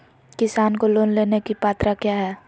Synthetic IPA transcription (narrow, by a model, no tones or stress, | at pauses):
kɪsaːnkoloːnleːnekipaːt̪ɾakjaːɦɛː